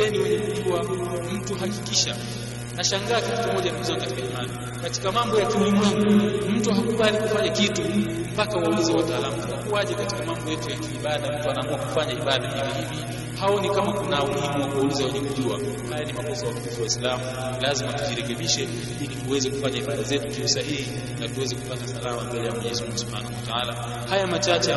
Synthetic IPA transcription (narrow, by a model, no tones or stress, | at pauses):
ɛniwɛɲɛkuʄuam̩tuɦakikiʃa | naʃaŋɡaːkatikamɔʄanauzanikatikaimani | kati̥kamambɔjakiulimwɛŋɡum̩tuɦakuɓalikufaɲakitu | m̩pakawaulizawataːlamutunakuwaʄɛkati̥kamambɔjɛtujakiːɓaɗam̩tuanaːmuakufaɲaiɓaɗamikahivi | haɔnikamakunamuhimuwakuwaulizawɛɲɛkuʄua̰hajanimamɔzijawakamifiwaislamu | lazimatuʄiɾɛkɛɓiʃɛ | ilituwɛzɛkufaɲaiɓaɗazɛtukiusahihi | natuwɛzɛkupatasalamambɛlɛjamwɔɲɛzmuŋɡusub̥ha̰nahuwataala | hajamat͡ʃat͡ʃɛ